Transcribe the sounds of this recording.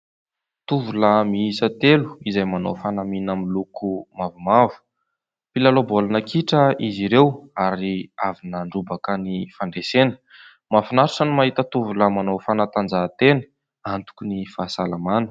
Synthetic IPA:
t̪uvuləmiisət̪elu̥izajmano̰fanaminamilukumavumavu̥ | pilalobolanakʰiʈ͡ʂəiziɾewaɾiavinəɳɖ͡ʐubakənifaɳɖ͡ʐesenə̥ | mafinaɾusənimaɦit̪ət̪uvuləmanofanat̪and͡zat̪enə̥ | ant̪u̥kunifasalamanə̥

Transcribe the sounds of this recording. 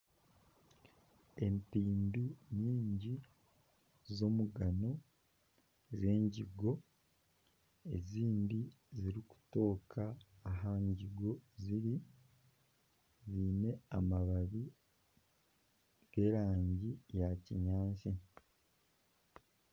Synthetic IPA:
e̞mpiːmbiɲiːɲɟi | zo̞muɡano̞ | ze̞ːɲɟiɡo̞ | e̞̰ziːndi | ziɾiku̥to̞ːkʰaːɦaɲɟiɡo̞ziɾi | ziːne̞amaβaβi | ɡ̥eɾaːɲɟijacḭɲaːɲsi

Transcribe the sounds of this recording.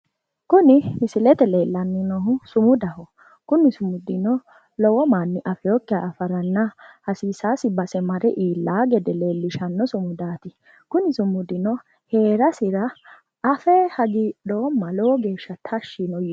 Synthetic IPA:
kʊnɪmɪsɪlɛt̪ɛle̞ːlːɐnːɪnɔɦʊsʊmʊd̪ɐhɔ | kʊnɪsʊmʊd̪ɪnɔ | lɔwɔmaːnːɪʔɐfɛjɔkːɪaːfɐɾɐnːɐhɐsiːsaːsɪbɐsɛmɐɾɛʔiːlːaːɡɛd̪ɛle̞ːlːɪʃɐnːɔsʊmʊd̪aːt̪ɪ | kʊnɪsʊmʊd̪ɪnɔ | he̞ːɾɐsɪɾɐː | fɛhɐɡiɗɔːmːɐlɔwɔɡe̞ːʃːɐt̪ʰɐʃːinɔj

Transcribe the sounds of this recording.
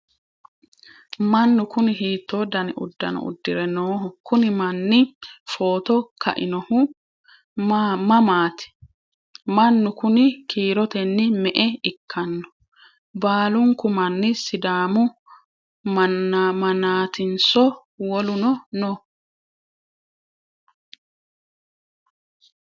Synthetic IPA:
mɐnːʊkʊnɪɦiːt̪ːoːd̪ɐnɪ̰ʔʊ̰d̪ːɐ̰nɔ̰ʊ̰d̪ːɪɾɛnoːɦʊkʊnɪmɐnːɪfo̞ːt̪ɔkʰɐ̰ʔɪnɔhʊ | mɐmaːt̪ɪ̥ | mɐnːʊkʊnɪkʰiːɾɔt̪ɛnːɪmɛʔɛɪkʰːɐnːɔ̥ | baːlʊŋkʊmɐnːɪsɪd̪aːmʊ | mɐmɐnaːt̪ɪnsɔ | wɔlʊnɔnɔ

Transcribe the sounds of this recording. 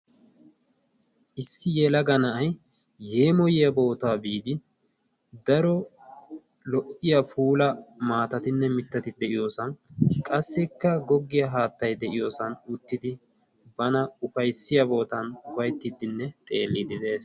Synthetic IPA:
ʔɪsːɪjɛlɐɡɐnɐʔɐj | he̞ːmɔjɪjɐbo̞ːt̪aːbiːd̪ɪ | d̪ɐɾɔ | lɔʔɪjɐpʰuːlɐmaːt̪ɐt̪ɪnːɛmɪt̪ːɐt̪ɪd̪ɛʔɪjo̞ːsɐnkʼɐsːɪkːɐɡɔɡːɪjɐɦaːt̪ːɐjd̪ɛʔɪjo̞ːsɐnʊt̪ːɪd̪ɪ | bɐnɐʊpɐjsːɪjɐbo̞ːt̪ɐnʊwɐjt̪ːɪd̪ːɪnːɛt̪ʼe̞ːlːɪd̪ɪd̪e̞ːs

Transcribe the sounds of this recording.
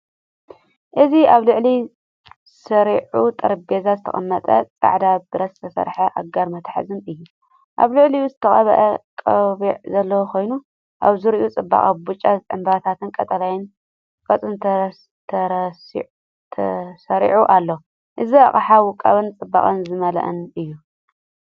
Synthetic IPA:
ʔɨziaβlɨʕli | sɐɾiʕut̪ʼɐɾbezazɨt̪ʰɐ̰χʼɐ̰mːɐt̪ʼɐt͡sʼa̰ʕd̪abɨɾɐzɨ̥t̪ʰɐsɐ̰ɾħɐʔaɡaɾmɐt̪ʰħa̰zɨnɨjːu | ʔa̰βlɨʕliuzɨt̪ʰɐχʼɐβɐ̰ʔɐkʼɐβiʕzɐlːɐwokʰo̞jnu | ʔaβzɨɾiʔut͡sʼɨbːa̰χʼabut͡ʃʼːaʕɨmbat̪ʰat̪ɨnkʼɐt̪ʼɐlajɪn | kʼɐt͡sʼɨnt̪ʰ | t̪ʰɐɾs | t̪ʰɐsɐɾḭʕuʔalːɐw | ʔɨzia̰χʼaħawʊkʼːɐβɨnt͡sʼɨbːa̰χʼɐnzɨmɐlɐ̰ʔɨ̰nɨjːu

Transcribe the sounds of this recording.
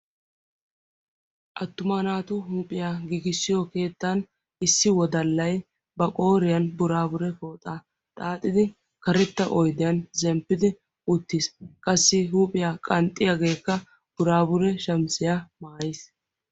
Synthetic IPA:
ʔɐt̪ːʊmaːnaːt̪ʊɦuːpʼɪjaɡiːɡɪsːɪjɔke̞ːt̪ːan | ɪsːɪwɔd̪ɐlːɐj | bɐkʼo̞ːɾɪjɐnbʊɾaːbʊɾɛfoːt̪ʼaː | t̪ʼaːt̪ʼːɪd̪ɪ | kɐɾɛt̪ːɐʔɔjd̪ɪjɐnzɛmpːɪd̪ɪ | ʊt̪ːiskʼɐsːɪɦuːpʼɪjaːkʼɐnt̪ʼːɪjɐɡeːkːɐ | b̥ʊɾaːbʊɾɛʃɐmsɪjamaːjɪs

